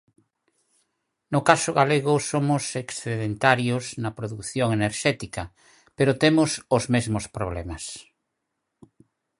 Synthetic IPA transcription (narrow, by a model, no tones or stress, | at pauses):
nʊkasʊɣaleɣ̞ʊsomʊseksθeðent̪aɾjoznɐpɾoðukθjoŋeneɾʃɛt̪ikɐ | peɾot̪emʊsʊzmezmospɾoβlɛmas